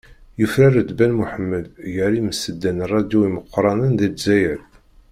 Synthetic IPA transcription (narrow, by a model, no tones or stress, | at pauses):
jəfɾæɾəd̪bænmuħəmːəd̪jəɾiməsəd̪ːænrˤːɑd̪juwiməqːɾˤɑnənðid̪zæjæl